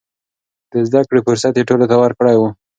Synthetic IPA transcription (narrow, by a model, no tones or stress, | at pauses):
d̪̥əzd̪akɽefʊɾsat̪jeʈolot̪awaɾkɽajwu